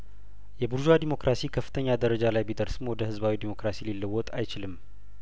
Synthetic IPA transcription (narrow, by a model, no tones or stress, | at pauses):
jɛbuɾʒad̪imo̞kɾʔasikʰəfːɨ̥t̪ʰəɲːad̪əɾəd͡ʒalajbid̪əɾsɨmwɔd̪əhɨzbawid̪imo̞kɾasililːəwːɔt̪ʼa̰jt͡ʃɪlɨm